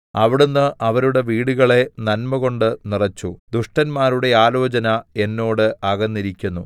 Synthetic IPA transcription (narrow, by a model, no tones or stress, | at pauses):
ɐʋiɽunːɨʔɐʋɐɾuɽe̞ʋiːɽuɣɐɭe̞nɐnmɐɣo̞ɳɖɨnirɐt͡ɕːud̪uʂʈɐnmaːɾuɽe̞aːlo̞ːt͡ɕɐnɐe̞nːo̞ːɽɨʔɐɣɐnːiɾikʲːunːu